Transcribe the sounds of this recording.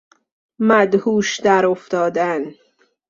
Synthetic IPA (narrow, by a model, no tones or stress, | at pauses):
mæd̪huːʃd̪æɾoft̪ɒːd̪æn